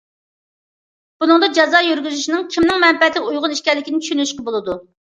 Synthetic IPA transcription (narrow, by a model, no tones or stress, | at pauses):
b̥unɨŋd̪ɑd͡ʒɑzɑjøɾɡʲyzyʃinɨɪŋkʲʰimnɪŋmɛmpɛt̪lɪkʲujʁʊniʃkʲɛɾlɪkʲinɪt͡ʃʰy̥ʃynyʃqɑbolˠɨd̪u